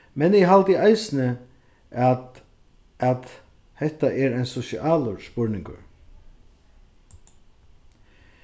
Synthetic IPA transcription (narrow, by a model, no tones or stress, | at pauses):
mɛnɪɦalt̪ɪajsnə | at̪ | hɛt̪aʔɛɾaɪnsɔsɪʔaːlʊɹspɔɹnɪŋkə̰ɹ